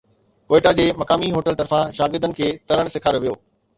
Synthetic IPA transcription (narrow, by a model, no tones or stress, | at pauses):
koːɪʈad͡ʑeːmɐkaːmiɦoːʈəlt̪ɐɾfãʃaːɡɪɾd̪ənɪ̆kʰeːt̪ɐɾəɽ̃sɪkʰaːɾoʋijo̰ː